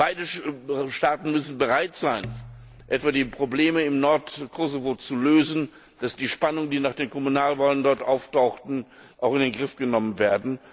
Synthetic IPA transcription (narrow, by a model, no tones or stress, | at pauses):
b̥aɪdəʃtaːtn̩mʏsn̩bəʁaɪtz̥aɪn | ʔɛtv̥aːdiːpʁ̥obleːməɪmnɔɐtkʰɔzovot͡suløːzn̩ | d̥asd̥iːʃpanʊŋəndiːnaːχd̥eːnkʰɔmunaːlvaːləndɔɐtʔaʊftaʊxtn̩ | ʔaʊxɪndeːnɡʁɪfɡ̥ənɔmənveːɐdn̩